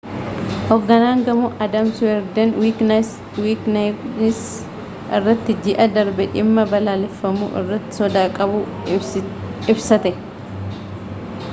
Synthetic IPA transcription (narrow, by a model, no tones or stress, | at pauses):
hɔɡːɐnaːŋɡɐmuːʔɐd̪ɐmsʊɛɾd̪ɐnwikn | wiːknanɪs | ʔɪrːɐt̪ːɪd͡ʒɪʔɐd̪ɐɾbɛᶑɪmːɐbɐlaːlɛfːɐmṵːʔɪ̰rːɐt̪ːɪ̥sɔd̪aːkʼɐbu | ɪbsɐt̪ɛ